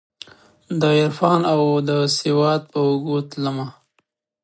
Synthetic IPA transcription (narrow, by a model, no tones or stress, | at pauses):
d̪əɪɾfɑnawd̪əsewɑd̪̚pəʊɡut̪lama